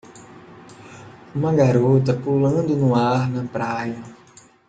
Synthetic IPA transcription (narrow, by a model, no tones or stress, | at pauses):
maɡaɾot̪apuləŋdɨnuaɾnɐpɾaːjɐ